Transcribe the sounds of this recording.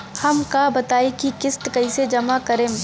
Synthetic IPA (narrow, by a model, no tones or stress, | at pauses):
hɐmkabɐt̪aːekikɪsʈkɐised͡ʒɐmakɐɾẽː